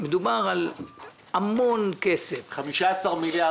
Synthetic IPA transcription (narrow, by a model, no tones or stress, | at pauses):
med̪ubaʁal | hamo̞nkesefχamiʃaesaʁmilja